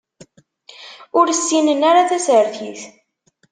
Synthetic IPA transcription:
ʊɾəsːinənaɾaθæsəɾθiθ

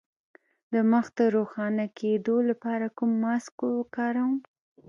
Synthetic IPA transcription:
d̪əməxd̪əɾoxɑnakʰed̪olapɑɾakumːɑskwəkɑɾawm

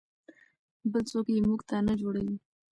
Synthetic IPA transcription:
bəlt͡sokjemuɡt̪anad͡ʒoɽawi

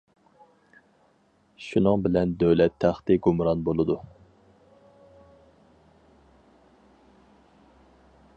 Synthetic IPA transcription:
ʃunɨŋbɪlɛnd̪øwlɛt̪ʰːæχt̪ɪɡumɾɑnbolˠɨd̪u

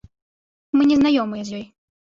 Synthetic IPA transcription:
mɨnʲɛznajɔmɨjɐzʲjɔj

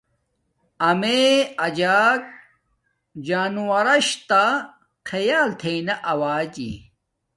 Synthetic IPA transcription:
ɐmeɐd͡ʑaːk̚ | d͡ʑaːnuwɐɾɐɕt̪a | kʰɐjaːlt̪ʰejnɐʔɐwaːd͡ʑḭ

